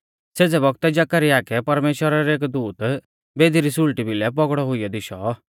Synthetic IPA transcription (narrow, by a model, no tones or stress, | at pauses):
seːd͡zɛbɔɡt̪ɛd͡ʒakaɾiaːkɛpɐɾmeːʃwəɾaɾɛeːkd̪uːt̪ | beːd̪iɾisʊlʈibɪlɛp̬ɔɡɽɔɦʊijɔd̪ɪʃɔ